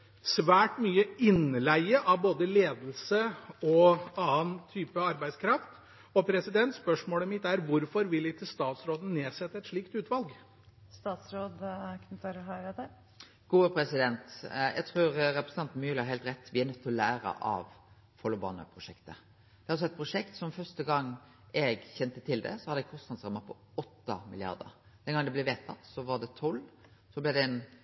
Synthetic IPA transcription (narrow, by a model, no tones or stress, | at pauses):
sʋæːʈmyːəɪnlæɪəʔɑʋboːd̪əleːd̪l̩səɔɑːənt̪ʰyːpəɑɾbæɪskʰɾɑft̪ | ɔpʰɾɛsɪd̪ɛnt̪spœʂmoːləmɪt̪ːæɾʋʊɾfɔɾʋɪljɪt̪ʰɪlst̪ɑːt̪sɾoːd̪ən̩neːsɛt̪ːəɛt̪ʂɭiːkt̪ʉːt̪ʋɑlɡ | st̪ɑːt̪sɾoːd̪knfɔɾɦɑɪɾəd̪ɛ | ɡ̥uːəpʰɾɛsɪd̪ɛnt̪jæ̰ɡt̪ʰɾuːɾɾɛpɾəsn̩ɑnt̪n̩myːlhɑɾɦɛɪlt̪ɾɛt̪ːʋɪæɾnœt̪ʰːɔlæːɾə̰ʔɑ̰ʋ | fɔlʊbɑ̰nə̰pʰɾʊʂɛkt̪ə̰ | d̪ɛhɑɾɑsɔɛt̪̚pʰɾʊʂɛkt̪sɔmfœʁst̪əɡɑŋː | ɛɡçɛnt̪ət̪ʰɪld̪ɛ̰sɔhɑd̪əɛɡkʰɔst̪nɑd̪sʁɑmɑpʰɔ | ɔt̪ːɑ̰mɪlɪɑ̰ɾd̪ə̰ɾd̪ɛnɡɑŋnd̪ɛblɛʋeːt̪ʰɑt̪ːsɔʋɑɾd̪ɛt̪ʰɔlːsɔblɛd̪ɛɛn